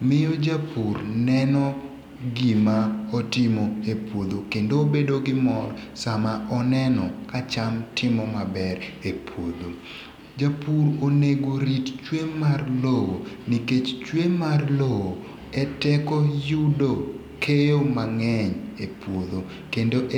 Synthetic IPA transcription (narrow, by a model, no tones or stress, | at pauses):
mɪjod͡ʒapurnɛnɔ | ɡimaɔtɪmoepwod̪okendoːbedoɡɪmɔrsamaʔɔnɛnɔkat͡ʃamtʰɪmɔmabɛɾepwod̪o | d͡ʒapuroneɡoɾitt͡ʃwemarlowoniket͡ʃt͡ʃwemarlowo | ɛtɛkɔjudo | kʰejomaŋɛɲepwod̪o | kendoʔ